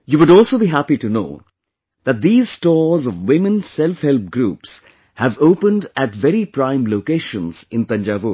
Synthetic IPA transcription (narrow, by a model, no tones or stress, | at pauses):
juʋʊɖɔːlsoːbiɦæpiʈuno̰ː | d̪æt̚d̪iːzsʈɔːzɔʋwɪ̃mə̃nsɛlfhɛlp̚ɡɾuːps | hævoːpə̃nɖæʈʋɛɾipɾãɪ̃mloːkeːʃə̃nz̥ɪ̃nt̪ʌ̃nd͡ʒaʋuɾ